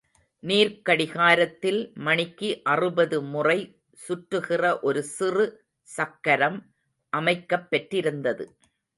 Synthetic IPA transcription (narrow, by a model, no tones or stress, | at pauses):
niːɾkɐɽɪɣaːɾɐt̪ːɪlmɐɳɪkːiʔɐrɯbɐðɯmʊrɐɪ | sʊʈrɯɣɪrɐʔɔɾɯsɪrɯ | sɐkːɐɾɐm | ʔɐmɐɪkːɐpːɐʈrɪɾɯnd̪ɐðɯ̰